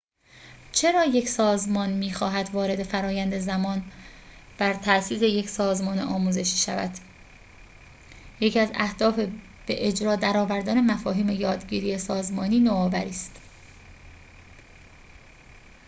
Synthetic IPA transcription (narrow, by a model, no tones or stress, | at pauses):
t͡ʃʰe̞ɾɒːje̞cʰsɒːzmɒːnmiːxɒːɦæd̪vɒːɾe̞d̪e̞fæɾɒːjænd̪e̞zæmɒːn | b̥æɾt̪ʰæsiːse̞je̞csɒːzmɒːneʔɒːmuːze̞ʃiːʃævæ̰d̪ | jecʰiæzæ̰hd̪̥ɒːfe | b̥eʔed͡ʒɾɒːd̪æɾɒːvæɾd̪æːne̞mæfɒːɦiːme̞jɒːd̪ɟiːɾiːesɒːzmɒːniːnoɒːvæɾiːst̪